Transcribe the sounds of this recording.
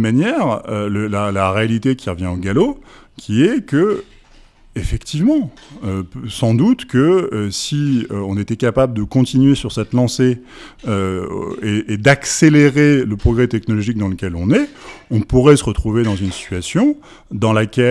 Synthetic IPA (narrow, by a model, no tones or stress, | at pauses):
manjɛʁøləlalaʁealit̪ekʲʰiʁəvjɛ̃oɡalo | kʲʰiɛkə | efɛkt̪ivmɑ̃ | øsɑ̃d̪ut̪kəøsiøɔ̃net̪ɛkapabləd̪əkɔ̃t̪inɥesyʁsɛt̪lɑ̃se | ø̰eed̪akseleʁeləpχɔɡʁɛt̪ɛknɔlɔʒik̚d̪ɑ̃ləkʲɛlɔ̃nɛɔ̃puʁɛsəʁət̪χuved̪ɑ̃zynsi̥t̪ɥasjɔ̃ | d̪ɑ̃lakʲɛ